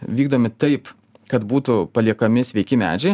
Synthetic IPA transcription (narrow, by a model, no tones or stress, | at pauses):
ʋʲiːɡd̪oːmʲɪt̪ɐɪp | kɐt̪buːt̪ʊpɐlʲiɛkɐmʲɪsʲʋʲɛɪkʲɪmʲæ̰ːd͡ʒʲɛɪ